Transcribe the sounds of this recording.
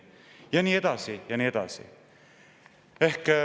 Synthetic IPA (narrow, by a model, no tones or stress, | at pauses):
jɑniːe̞d̪̥ɑsijɑniːe̞d̪̥ɑ̰sḭ | e̞hk